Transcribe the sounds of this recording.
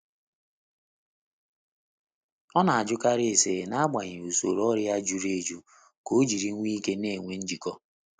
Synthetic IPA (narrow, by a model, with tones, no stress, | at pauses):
ɔ˦na˨a˨d͡ʒʊ˦ka˦ɾɪ˦e˨se˨na˦a˦ɡ͡ba˨ɲɪ˨u˨so˨ɾɔ˦ɾjɪ˦a˦d͡ʒu˨ɾe˦˨d͡ʒu˦ | ko˦d͡ʒi˨ɾi˦ŋʷ˦i˦ke˦ne˦˨ŋʷe˦n̩˦d͡ʒi˨kɔ˦